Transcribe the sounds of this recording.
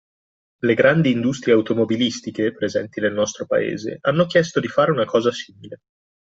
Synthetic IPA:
leɡɾand̪iːnd̪ust̪ɾijeaut̪omobilist̪ikepɾezɛnt̪inelnɔst̪ɾopa̰ḛːzḛʔanːokjɛst̪od̪ifaːɾeunakɔːzasiːmile

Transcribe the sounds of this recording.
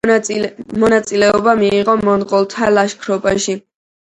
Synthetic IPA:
mɔnat̪sʼilɛɔbamiːʁɔmɔnʁɔlˠt̪ʰalaʃkʰɾɔpʼaʃi

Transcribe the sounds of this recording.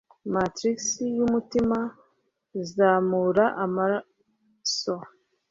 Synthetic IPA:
matɾiksijumutima | izaːmuɾaʔama | so

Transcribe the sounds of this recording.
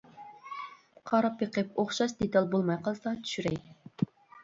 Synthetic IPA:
qʰɑɾɑpjeqʰəpoχʃɑʃd̪et̪ɑlˠbolˠmɑjqʰɑlˠsɑt̪ʰy̥ʃyɾɛj

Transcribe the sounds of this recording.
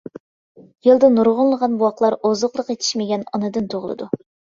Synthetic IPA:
jelˠd̪ɨnuɾʁʊnlˠəʁɑnbuwɑqlˠɑɾozəqlˠəqet̪ʰi̥ʃmɪɡʲɛnɑnɨd̪ɨnt̪ʰoʁlˠɨ̰d̪u

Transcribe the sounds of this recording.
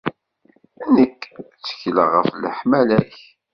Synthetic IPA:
ænəkːt͡sːə̥çləʁəfləħmælæç

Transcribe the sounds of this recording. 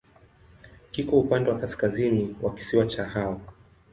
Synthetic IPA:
kikɔupandɛwakaskaziniwaki̥siwat͡ʃahawa

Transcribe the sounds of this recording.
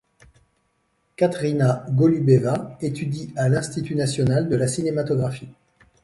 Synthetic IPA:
kat̪χinaɡɔlybevaet̪yd̪ialɛ̃st̪it̪ynasjɔnald̪əlasinemat̪ɔɡʁafi

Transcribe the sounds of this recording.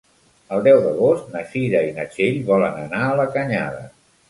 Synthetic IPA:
əlˠd̪ɛwðəɣost̪̚nəʃiɾəinət͡ʃeʎβɔlənənaələkəɲa̰ðə̰

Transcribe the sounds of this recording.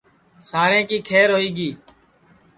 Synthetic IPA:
saːɾẽːkiːkʰeːɾoːiːɡiː

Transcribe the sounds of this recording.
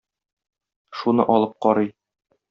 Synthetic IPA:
ʃunɤ̰ʔɒlˠɤp̚qɒɾɤj

